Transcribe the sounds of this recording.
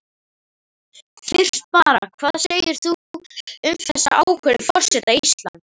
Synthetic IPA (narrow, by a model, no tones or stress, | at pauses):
fɪr̥t̪̚paːɾa̰kʰvaːðseːjɪɾ̥θuʏmθɛsːa̰ʔaːwkʰœɾɪfɔr̥sɛt̪aist̪la̰n